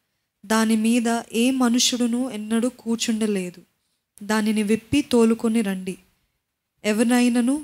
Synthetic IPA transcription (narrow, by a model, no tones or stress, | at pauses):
d̪aːnimiːd̪ɐʔeːmɐnuʂuɽunuɛnːɐɽukuːt͡ʃuɳɖɐle̞ːd̪u | d̪aːniniʋepːit̪o̞ːlukoniɾɐɳɖi | ɛʋɐɾɐjnɐnu